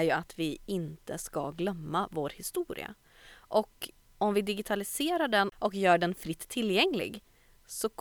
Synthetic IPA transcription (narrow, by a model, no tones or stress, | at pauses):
jɵat̪vɪɪnt̪əska̰ɡlœmːavoːɾhɪst̪uːɾɪ̰a̰ | ʔɔk | ɔmvɪd̪ɪɡɪt̪ʰalɪseːɾaɖɛnʔɔkjœːɖɛnfɾɪt̪ʰːɪlːjɛŋlɪ̰ɡ | sɔk